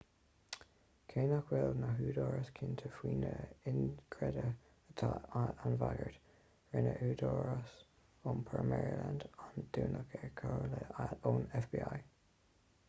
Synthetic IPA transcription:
kʰeːnakwɛlnaɦuːdɔːɹəskʰɪnt̪ʰəfwiːnəɪnɡʰɹɛdə | ətʰaanvaɡəɹd | ɹɪnə̰ʔʉːdɔɹəs | onpʰəɹmɛɹilandɔnd̥uːnʔəkʰɛɹkʰaɹləaoːnɛfb̥iːaj

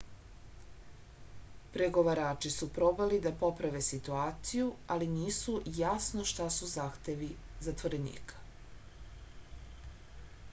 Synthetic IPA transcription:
pɾe̞ɡo̞ʋaɾaːt͡ʂisupɾo̞balid̪apo̞pɾaʋe̞sit̪uaːt̪sijualiniːsujasnoʃt̪asuzaːxt̪e̞ʋi | zat̪ʋo̞ɾe̞nḭːkḁ

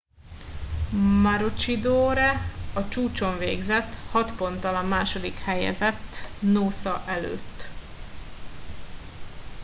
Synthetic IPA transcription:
maɾot͡ʃid̪oːɾɛɒt͡ʃuːt͡ʃo̞ɱveːɡzɛt̪ːhɒt̪po̞nt̪ɒlɒmːaːʃo̞d̪ikhɛjɛ̰zɛt̪ːnoːsɒʔɛlø̰ːt̪ː

